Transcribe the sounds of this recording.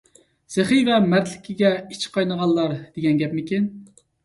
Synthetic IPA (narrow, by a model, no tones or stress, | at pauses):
seχivɛmæɾt̪lɪkʲʰɪɡʲɛit͡ʃʰqʰɑjnəʁɑnːˠɑɾd̪̥eɡʲɛnɡʲɛpmɪkʲin